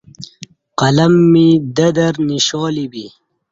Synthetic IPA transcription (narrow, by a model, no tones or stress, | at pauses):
qɐlɐmːid̪ɐd̪ɐɾniɕoːlibi